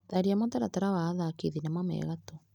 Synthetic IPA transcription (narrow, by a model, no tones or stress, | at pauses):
ðaɾiamɔtaɾataɾawaːðakiðinamwamɛ̰ːɣato